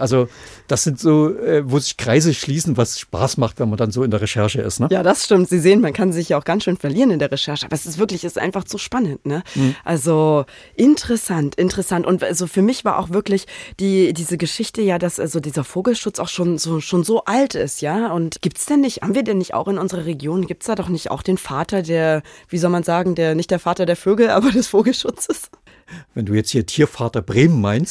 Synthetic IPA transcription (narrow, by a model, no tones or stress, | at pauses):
ʔalzod̥asz̥ɪntz̥oːʔɛːvoːzɪçkʁ̥aɪzəʃliːsn̩vasʃpa̰ːsmaχtv̥ɛnmandanzoːɪndeːɐʁeʃɛɐʃəʔɪ̰stnəjaːdasʃtɪmtz̥iːzeːənmankʰanzɪç̬jaːaʊxɡ̥ansʃøːnfɛɐliːʁənɪndeːɐʁeʃɛɐʃəʔaːbɐɛsɪstv̥ɪɐklɪçɪstʔa̰ɪnfaχz̥uʃpanəntnəʔalzo | ʔɪntəʁɛsantʔɪntəʁəsantʔʊntʔalzofyːɐmɪçv̥a̰ːɐʔa̰ʊxv̥ɪɐklɪçd̥iːdiːzəɡəʃɪçtəjaːdasʔa̰lzodiːzɐfoːɡl̩ʃʊt͡sa̰ʊxʃoːnzoːʃoːnzoːʔaltɪ̰stjaːʊntɡ̥iːp̚tsd̥ɛnːɪçthaːbm̩viːɐdɛnːɪçta̰ʊxɪnʔʊnzəʁ̞ɐʁ̞eɡjoːnɡiːp̚tsd̥aːdɔχnɪçta̰ʊxd̥eːnfaːtɐdeːɐv̥iːzɔlmanzaːɡŋ̩deːɐnɪçtd̥eːfaːtɐdeːɐføːɡl̩ʔa̰ːbɐdɛsfoːɡl̩ʃʊt͡səs | vɛnduːjɛt͡sthiːɐtʰiːɐfaːtɐbʁeːmənmaɪnst